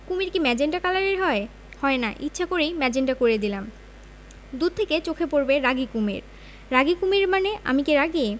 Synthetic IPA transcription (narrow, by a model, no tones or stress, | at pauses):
kumiɾkimɛd͡ʑeɳɖakalaɾeɾɦɔe | hɔenaʔitːɕʃʰakoɾejmɛd͡ʑeɳɖakoɾed̪ilam | d̪ud̪̚t̪ʰeket͡ɕokʰepoɾbeɾaɡikumḛɾ | ɾaɡikumiɾmaneʔa̰mikeɾaɡie